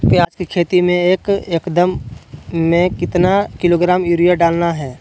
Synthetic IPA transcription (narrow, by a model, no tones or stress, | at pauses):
pjaːd͡ʒkikʰeːt̪imẽeːkeːkd̪əmː | ẽkɪt̪nakɪloːɡɾaːmjuːɾijaɖaːlnaɦɛː